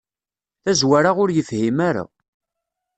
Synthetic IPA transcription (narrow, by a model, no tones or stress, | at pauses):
θæzwaɾaʁʊɾjəfhimæɾa̰